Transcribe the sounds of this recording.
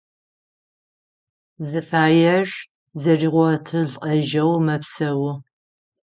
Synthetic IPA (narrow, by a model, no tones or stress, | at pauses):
zɨfaːjɐʒ | zɐriːʁʷɔtʰɨɮqʼɐʒɐwmɐpsɐwʊ